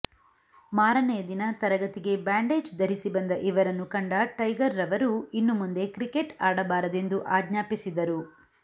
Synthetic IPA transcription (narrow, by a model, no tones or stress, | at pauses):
maːɾɐnɛjɐd̪inɐt̪ɐɾɐɡɐt̪iɡe̞baːɳɖe̞ːd͡ʒd̪ʱɐɾisibɐnd̪ɐʔiʋɐɾɐnːukɐɳɖɐʈɐjɡɐɾːɐʋɐɾuinːumund̪e̞kɾike̞ʈaːɽɐbaːɾɐd̪end̪uʔaːɡɲaːpisid̪ɐɾu